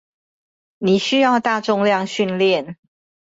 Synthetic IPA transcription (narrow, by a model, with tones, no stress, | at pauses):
ni˨˩ɕy˥jɑ˥˧ʊt̪a˥˨ʈ͡ʂʊ˥˧ŋljɑ˥˨ŋɕy˥˧nljɛ˥˨n